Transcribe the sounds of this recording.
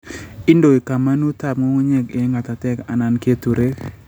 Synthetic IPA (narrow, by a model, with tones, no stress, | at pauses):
ɪ˦ndo˨e˨ka˨ma˦nu˦t̪a˦˨pŋo˦ŋo˦ɲɛ˦˨ɡɪ˨˦ŋa˨t̪a˨tɛ˦ka˨na˨nke˦t̪u˨ɾe˦